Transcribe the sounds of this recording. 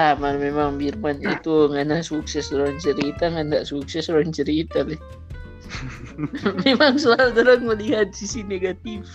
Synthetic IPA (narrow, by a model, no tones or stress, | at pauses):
amanmemaŋbirmanit̪uŋanasuk̚sɛsdoɾaŋt͡ʃəɾit̪aŋandaʔsuksɛsoɾaŋt͡ʃəɾit̪aleh | memaŋsəlalud̪aɾaŋməliɦat̪̚sisineɡat̪if